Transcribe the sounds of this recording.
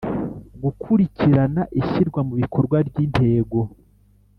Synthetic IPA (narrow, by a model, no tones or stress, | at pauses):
ɡukʰuɾiciɾanaʔiçiɾɡwamuβikʰo̞ɾɡwabɟin̥te̞ːɡo̞